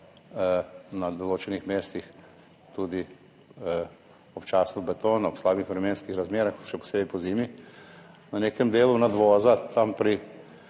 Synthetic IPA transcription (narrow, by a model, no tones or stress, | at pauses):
nad̪oloːt͡ʃɛnixmeːst̪ix | t̪ud̪i | ɔpt͡ʃaːsubɛt̪oːnɔpslaːbixʋɾɛmeːnskixɾazmeːɾaxʃɛpɔ̥seːbipɔziːmi | naneːkɛmd̪eːlunad̪ʋɔːzat̪ampɾi